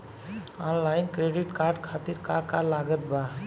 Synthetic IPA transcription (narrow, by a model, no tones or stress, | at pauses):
ɔnlainkɾeɖiʈkaɾɖkʰat̪iɾkakalaɡət̪ba